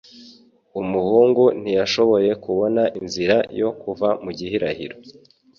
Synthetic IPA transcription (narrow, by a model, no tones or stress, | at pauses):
umuhuːŋɡun̥ijaʃo̞βo̞je̞kuβo̞naʔinziɾajo̞kuvamuɟihiɾahḭɾo